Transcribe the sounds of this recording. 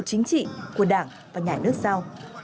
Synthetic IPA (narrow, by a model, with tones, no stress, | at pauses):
t̚t͡ɕï˨˦ŋ̟t͡ɕḭ˧˨ku˧˩əɗaː˧˩ŋ | vaː˨˩ɲaː˨˩nɨ˦˥ək̚sa˧w